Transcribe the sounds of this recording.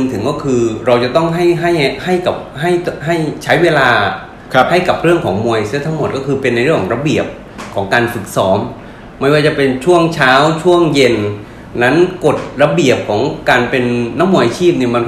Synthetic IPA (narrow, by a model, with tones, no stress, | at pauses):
ŋt̪ʰɯ˩˦ŋkɔː˥˩kʰɯː˧ɾa˧wt͡ɕa˨˩t̪ɔ˥˩ŋɦa˥˩jɦa˥˩jha˥˩jka˨˩p̚ɦa˥˩jɦa˥˩jt͡ɕʰa˦˥jweː˧laː˧˦ | ha˥˩jka˨˩p̚ɾɯ˥˩əŋkʰɔː˩˦ŋmu˧əjsɯ˥˨˩t̪ʰa˦˥ŋmo˨˩t̪̚kɔː˥˩kʰɯː˧pe˧nːa˧jɾɯ˥˩əŋkʰɔ˩˦ŋɾa˧bi˨˩əp̚ | kʰɔː˩˦ŋkaː˧nfɯ˨˩k̚sɔː˩˦˥mː | a˧˥˩waː˥˩t͡ɕa˨˩pe˧nt͡ɕʰu˥˩əŋt͡ɕʰaː˦˥wt͡ɕʰu˥˩əŋje˧nː | a˦˥nko˨˩t̪̚ɾa˧bi˨˩əp̚kʰɔː˩˦ŋkaː˧npe˧nːa˦˥mu˧əjt͡ɕʰiː˥˩p̚niː˧˩ma˧n